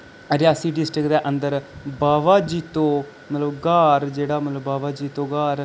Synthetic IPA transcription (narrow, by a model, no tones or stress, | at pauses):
ɾɪjaːsiːɖɪsʈəkd̪eːʔənd̪əɾbaːʋaːd͡ʒiːt̪õː | mət̪ləbɡaːɾd͡ʒeːɽaːmət̪ləbːaːʋaːd͡ʒiːt̪õːɡaːɾ